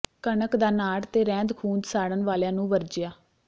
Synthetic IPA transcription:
kəɳəkd̪aːnaːɽt̪eːɾɛ̃ːnd̪kʰuːnd̪saːɽənʋaːljãːnũːʋəɾd͡ʒɪjaː

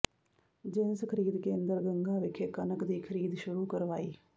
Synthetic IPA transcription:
d͡ʒɪnskʰəɾiːd̪kẽːnd̪əɾɡəŋɡaːʋɪkʰekənəkd̪iːkʰəɾiːd̪ʃʊɽuːkəɾʋaːiː

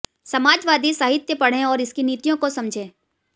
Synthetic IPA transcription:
sɐmaːd͡ʒʋaːd̪isaɦɪt̪jəpɐɽ̤ẽɔːɾɪskiniːt̪ijõkosɐmd͡ʒʱẽː

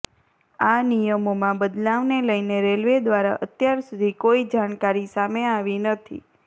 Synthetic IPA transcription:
anijəmomãbəd̪laʋneləjneɾelʋed̪ʋaɾaʔət̪jaɾsud̪ʱikoid͡ʒaɳkaɾisameaʋinət̪ʰḭ

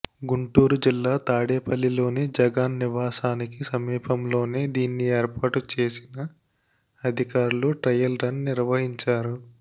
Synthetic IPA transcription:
ɡuɳʈuːɾud͡ʒilːaːt̪aːɽeːpʰɐlːilo̞ːnid͡ʒɐɡaːnːiʋaːsaːnikisɐmiːpʰɐmlo̞ːneːd̪iːnːieːɾpaːʈut͡ʃe̞ːsinɐ | ɐd̪ʱikaːɾuluʈɾɐjɐlɾɐnniɾʋɐɦiɲt͡ʃaːɾu

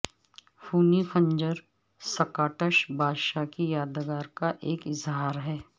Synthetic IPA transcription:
fʰuːnifʰə̃ɲd͡ʒəɾ | sɐkaːʈəʃbʱaːdʃakijaːd̪əɡaːɾkaʔeːkɪzɦaːɾɦɛː

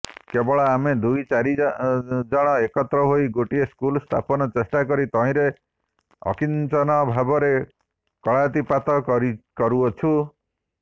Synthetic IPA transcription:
kebɔɭɔamed̪ujt͡ʃaɾi | d͡ʒɔɽ̃ɔekɔt̪ɾɔɦoiɡoʈieskulst̪ʰa̰pɔnɔt͡ʃesʈakɔɾit̪ɔĩɾe | ɔ̰kint͡ʃɔnɔbʱabɔɾe | kɔɭat̪ipat̪ɔkɾikɔɾuɔt͡ʃʰũ

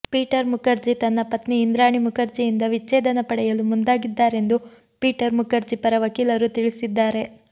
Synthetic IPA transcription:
piːʈɐɾmukɐɾd͡ʒit̪ɐnːɐpɐt̪niːnd̪ɾaːɳimukɐɾd͡ʒijind̪ɐʋit͡ʃːeːd̪ɐnɐpɐɽɛjɐlumund̪aːɡid̪ːaːɾe̞nd̪u | piːʈɐɾmukɐɾd͡ʒipɐɾɐʋɐkiːlɐɾut̪iɭisid̪ːaːɾe̞

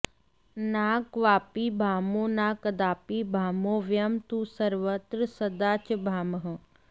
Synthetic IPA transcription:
naːkʋaːpibʱaːmonaːkɐd̪aːpiːbʱaːmoːʋjɐmt̪usəɾʋət̪ɾəsəd̪aːt͡ʃbʱaːməɦə

